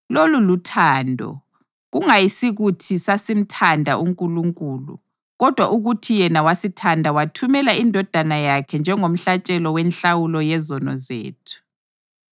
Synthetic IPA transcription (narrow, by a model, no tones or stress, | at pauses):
lolulutʰaːndʱɔ̰ | ɣuŋajisiɣutʰisasim̩tʰandʱaʔuŋkʼuluŋkʼuːlṵ | ɣɔd̥ʱwa̰ʔuɣutʰijɛnawasitʰandʱawatʰumɛlaindʱɔd̥ʱanajakʰɛnd͡ʒʱɛŋom̩ɬat͡ʃʼɛlɔwɛnɬawulɔjɛzɔnɔ̰zḛːtʰu̥